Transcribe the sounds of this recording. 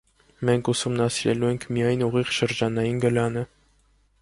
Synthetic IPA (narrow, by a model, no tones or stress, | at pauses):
mɛŋkʰusumnɑsiɾɛ̰luɛŋkʰmijɑjnuʁiʁʃəɾd͡ʒɑnɑjinɡəlɑnə